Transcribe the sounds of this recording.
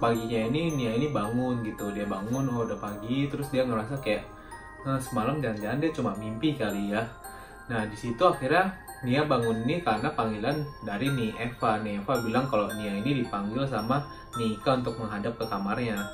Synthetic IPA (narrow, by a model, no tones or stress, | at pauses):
paɡiɲaininiainibaŋʊnɡit̪udiabaŋʊnhodapaɡit̪əɾʊsdiaŋəɾasakajaʔ | əsəmalamd͡ʒand͡ʒaandiat͡ʃumamimpikalija | nahdisit̪uaxirɲa | niabaŋʊninikaɾənapaŋilandaɾiniʔefaniefabilaŋkaloniainidipaŋɡɪlsama | nikaunt̪ʊk̚məŋɦadap̚kəkamarɲa